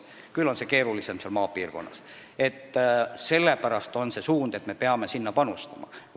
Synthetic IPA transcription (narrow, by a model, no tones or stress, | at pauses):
kylːo̞nse̞ke̞ːɾulisemselmɑːpiːrko̞̰nːɑs | e̞t̪ːse̞lːepæɾɑst̪o̞nse̞suːnd̪̥e̞t̪me̞peɑme̞sinːɑpɑnust̪ɑmɑ̰